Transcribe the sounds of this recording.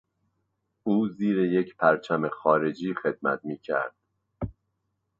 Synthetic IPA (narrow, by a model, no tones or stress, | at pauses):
uːziːɾejecʰpʰæɾt͡ʃʰæme̞xɒːɾe̞d͡ʒiːxe̞d̪̚mæ̰t̪̚miːcʰæ̰ɾd̪̥